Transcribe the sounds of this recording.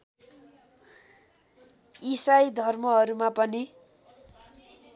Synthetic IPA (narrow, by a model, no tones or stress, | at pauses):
isajd̪ʱʌrmʌɦʌɾumapʌni